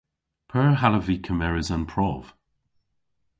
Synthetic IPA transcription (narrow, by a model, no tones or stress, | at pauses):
pʰɜɹɦaləviːkʰəmɛɹɪzanpʰɹɔːv̥